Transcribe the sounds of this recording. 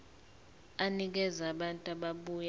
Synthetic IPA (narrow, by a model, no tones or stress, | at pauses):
anik̬ɛzaɓantʼaɓaɓuːja